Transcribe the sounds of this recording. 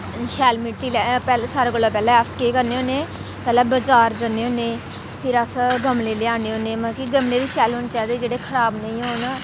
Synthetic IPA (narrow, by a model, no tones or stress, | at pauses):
ʃɛːlmɪʈːiːlɛpɛːlsaːɾeːɡəlːaːpɛːlɛːəskeːkəɾneːɦõːneː | pɛːlɛːbəd͡ʒaːɾd͡ʒəneːɦõːneː | pʰɪɾəsɡəmleːleãːneːɦoːneːmãːkiɡəmleːʋiːʃɛːlɦoːnt͡ʃaːd̪eːd͡ʒeːɽeːkʰəɾaːbnəĩːɦoːn